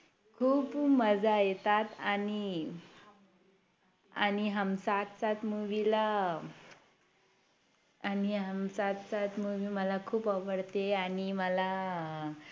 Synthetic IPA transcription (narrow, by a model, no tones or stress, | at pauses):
kʰuːpməd͡zajet̪at̪ani | añiɦəmsat̪t͡sat̪muʋila | aniɦəmsat̪sat̪muʋiːməlakʰuːpəʋəɽt̪eaɽ̃iməla